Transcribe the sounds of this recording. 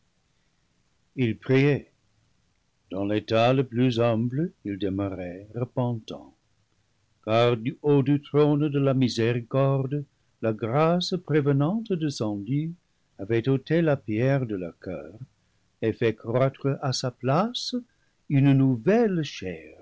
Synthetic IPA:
ilpʁiɛ | d̥ɑ̃letaləplyzɛ̃pləildəməʁɛʁəpɑ̃tɑ̰̃ | kaʁdyodytʁondəlamizeʁikɔʁd̪ | laɡʁaspʁevənɑ̃tdəsɑ̃dy | avɛtotelapjɛʁd̪əlœʁkœ̰ːʁ | efɛkχwatχəʔasaplas | ynnuvɛlʃɛ̰ːʁ

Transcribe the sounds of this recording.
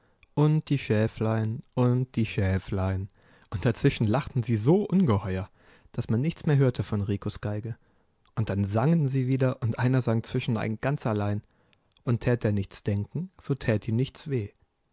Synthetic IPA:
ʔʊnt̚d̥iːʃɛːflaɪənʔʊnt̚d̥iːʃɛːflaɪən | ʔʊnt̚d̥at͡sv̥ɪʃn̩laχtn̩ziːzoːʔʊnɡəhɔʏɐ | d̥asmanːɪçt͡smeːɐɦøːɐtʰəfɔnʁiːkʰosɡ̥aɪɡə | ʔʊnt̚d̥anzaŋənziːviːdɐʔʊntʔaɪnɐzaŋt͡sv̥ɪʃn̩a̰ɪnɡ̥ant͡sʔalaɪn | ʔʊntʰɛːt̚deːɐnɪçt͡sd̥ɛŋkŋ̩z̥oːtʰɛːtiːmnɪçt͡sv̥eː

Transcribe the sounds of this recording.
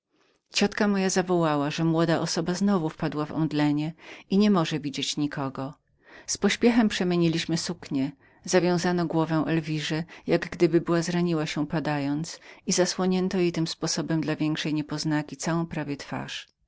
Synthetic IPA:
t͡ɕɔt̪kamɔjazavɔwawaʐɛmwɔd̪aʔɔsɔbaznɔvufpad̪wavɔ̰md̪lɛɲɛiɲɛmɔʐɛvʲid͡ʑet͡ɕɲikʰɔɡɔ | spɔɕpʲjɛxɛmpʂɛmʲjeɲilʲiɕmɘsukɲɛ | zavʲjɔ̃w̃zanɔɡwɔvɛ̃ʔɛlvʲiʐɛjaɡɡd̪ɘbɘbɘwazɾaɲiwaɕɛpad̪ajɔnt̪sizaswɔɲɛnt̪ɔjet̪ɘmspɔsɔbɛmd̪lavʲjɛŋkʂɛjɲɛpɔznakʲit̪sawɔ̃w̃pɾavʲjɛt̪fa̰ʂ

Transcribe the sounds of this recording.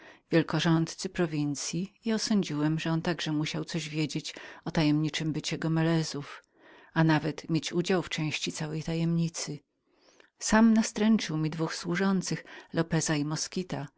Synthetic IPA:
vʲjɛlkɔʐɔnt̪t̪sɘpɾɔvʲint̪sʲjiiɔsɔɲd͡ʑiwɛmʐɛɔnt̪aɡʐɛmuɕawt̪sɔʑvʲjed͡ʑet͡ɕɔt̪ajɛmɲit͡ʂɘmbɘt͡ɕɛɡɔmɛlɛzuf | anavɛt̪mʲjet͡ɕud͡ʑawft͡ʂɛ̃w̃ɕt͡ɕit̪sawɛjt̪ajɛmɲit̪sɘ | samnast̪ɾɛnt͡ʂɘwmʲid̪vuxswuʐɔnt̪sɘxlɔpɛzaimɔskʲit̪a

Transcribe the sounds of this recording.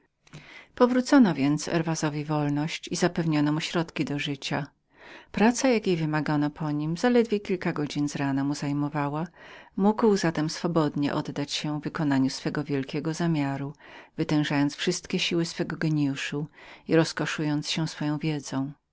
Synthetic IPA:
pɔvɾut̪sɔnɔvʲjɛnt̪sɛ̰ɾvazɔvʲivɔlnɔɕt͡ɕizapɛvɲɔnɔmuɕɾɔt̪kʲid̪ɔʐɘt͡ɕa | pɾat̪sajakʲejvɘmaɡanɔpʰɔɲimzalɛd̪vʲjekʲilkaɡɔd͡ʑinzɾanamuzajmɔvawamuɡwzat̪ɛmsfɔbɔd̪ɲɛ̰ʔɔd̪ːat͡ɕɕɛvɘkɔnaɲusfɛɡɔvʲjɛlkʲɛɡɔzamʲjaɾuvɘt̪ɛ̃w̃ʐajɔnt̪sfʂɘst̪kʲɛɕiwɘsfɛɡɔɡɛɲjuʂuiɾɔskɔʂujɔnt̪sɕɛsfɔjɔ̃w̃vʲjɛd̪zɔ̃w̃

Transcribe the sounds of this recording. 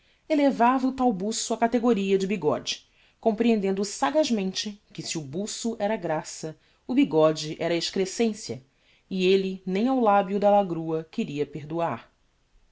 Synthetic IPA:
elevavɐʊt̪awbusuɐkat̪eɡoɾiɐd͡ʒɪbiɡɔ̰d͡ʒɪ̥ | kõmpɾiẽnd̪ẽnd̪ʊsaɡaʒmẽnt͡ʃɪkɪsiubusʊʔɛɾɐaɡɾasɐ | ʊbiɡɔd͡ʒɪʔɛɾɐeʃkɾesẽsjɐ̰ | ɪelɪnẽj̃awlabjud̪ɐlaɡɾuɐkɪɾiɐpeɦd̪uaɾ

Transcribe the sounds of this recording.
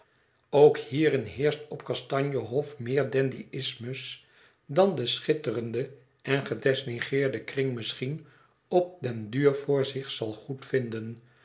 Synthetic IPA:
owkhiːɾɪnɦɪːɹstɔpkɑstɑɲjəɦɔfmɪːɹdɛndiɪsməs | dɑndəsχɪtərəndə | ʔɛnχədɛsniχɪːɹdəkrɪŋmɪsχin | ɔp̚dɛndyːɹvʊːɹzɪχsɑlˠχutfɪndən

